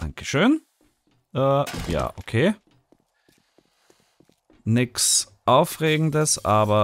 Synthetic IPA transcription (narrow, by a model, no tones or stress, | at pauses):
a̰ŋkə̥ʃøːn | əːja̰ːʔokʰeː | nɪks | ʔaʊfʁeːɡŋ̩n̩d̪əsɑːbɐ